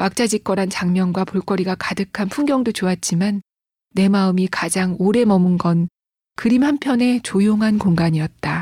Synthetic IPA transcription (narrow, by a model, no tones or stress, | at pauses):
mak̚t͡ɕ͈ad͡ʑik͈wʌɾant͡ɕaŋmjʌnɡwapoɭk͈ʌɾiɡakadɯkʰanpʰuŋɡjʌŋdot͡ɕoat̚t͡ɕ͈imanː | e̞maɯmikad͡ʑaŋoɾe̞mʌmɯnɡʌn | kɯɾimhampʰjʌne̞t͡ɕojoŋɦankoŋɡaɲijʌt̚t͈a